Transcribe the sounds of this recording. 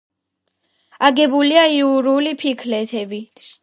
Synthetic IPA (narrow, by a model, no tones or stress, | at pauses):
aɡɛbuliaiuɾulipʰikʰlɛt̪ʰɛbit̪ʰ